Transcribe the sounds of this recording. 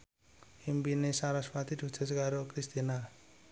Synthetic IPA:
embinesaɾaswat̪it̪ut͡sʰesɡaɾokɾist̪ina

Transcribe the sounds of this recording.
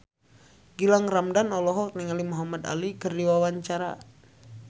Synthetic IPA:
ɡilaŋramdanɔlɔɦɔk̚niŋalimɔɦamad̪a̰likərdiwawaɲt͡ʃaɾa̰

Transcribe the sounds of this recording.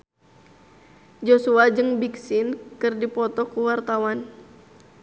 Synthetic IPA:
d͡ʒosuad͡ʒɨŋbiksɪnkɨrdipɔt̪ɔkuwart̪awan

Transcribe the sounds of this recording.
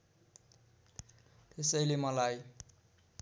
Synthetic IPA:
t̪esʌjlemʌlaj

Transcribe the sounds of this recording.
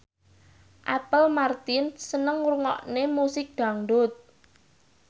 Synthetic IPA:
ʔapəlmart̪ɪnsənəŋruŋɔ̰ʔnemusɪk̚d̪̥a̤ŋɖʊt̪̚

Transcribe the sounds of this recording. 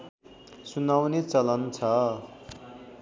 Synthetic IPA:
sunawnet͡sʌlʌnt͡sʰʌ

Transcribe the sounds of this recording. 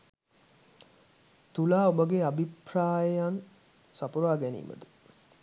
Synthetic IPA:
t̪ulaːobəɡeabʱipraːjəjan | sapuɾaːɡɛnḭːmə̰t̪ə

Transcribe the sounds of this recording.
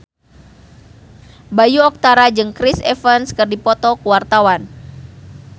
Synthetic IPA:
bajuɔk̚t̪aɾad͡ʒɨŋkɾisɛfənskɨrdipɔt̪ɔkuwart̪awan

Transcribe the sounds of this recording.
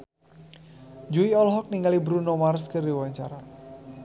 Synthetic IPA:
d͡ʒuiɔlɦɔk̚niŋɡalibɾunomarskərdiwaɲt͡ʃaɾa

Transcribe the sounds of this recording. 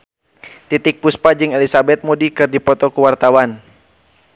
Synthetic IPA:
t̪it̪ɪk̚puspad͡ʒɨŋɛlisabɛt̪̚modikɨrdipɔt̪ɔkuwart̪awan

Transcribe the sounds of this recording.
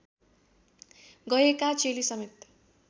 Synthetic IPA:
ɡʌekat͡selisʌmet̪

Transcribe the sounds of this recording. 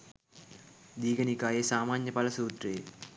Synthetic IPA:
d̪iːɡənikaːjesaːmaːɲjəpɐlɐsuːt̪reje

